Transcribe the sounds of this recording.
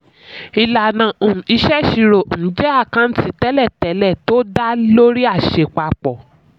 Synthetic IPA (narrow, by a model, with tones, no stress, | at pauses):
i˧la˨nã˨õ˨i˧ʃɛ˦ʃi˧ɾo˨n̩˨˦d͡ʒɛ˦a˦˨kã˧n̩˦ti˧tɛ˦lɛ˦˨tɛ˨˦lɛ˦˨to˦da˦lo˦ɾi˦a˦˨ʃe˧˨k͡pa˧k͡pɔ˨